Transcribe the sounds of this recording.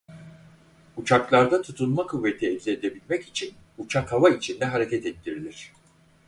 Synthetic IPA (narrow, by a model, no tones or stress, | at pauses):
ut͡ʃʰaklˠaɾd̪at̪ʰut̪ʰunmakʰuvːet̪ʰiɛvʲzʲied̪e̞bilʲmɛcit͡ʃʰin | ut͡ʃʰakʰavait͡ʃʰind̪ɛɦaɾecʰɛt̪ɛt̪ːiɾilʲiɾ̝̥